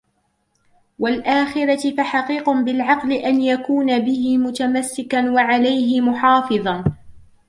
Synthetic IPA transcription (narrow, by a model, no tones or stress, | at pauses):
walʔaːxɪɾɑɪfaħaqiːqʊbɪlʕɑqlɪʔanjakuːnabɪhɪmʊt̪amasːɪkanwaʕalajɦɪmʊħɑːfɨðˤɑ